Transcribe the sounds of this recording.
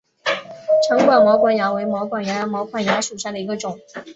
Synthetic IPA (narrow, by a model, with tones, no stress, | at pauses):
ʈ͡ʂʰɤ˧˥ŋkwa˨˩nmɔ˧˥kwa˧˥nja˧˥we˧˥ɪmɔ˧˥ʊkwa˨˥˩ŋja˧˥mɑ˧˥ʊkʰwa˥˩nja˧˥ʂu˨˩ɕja˥˩d̪ə˩i˧˥ɡə˧ʈ͡ʂʊ˨˩˦ŋ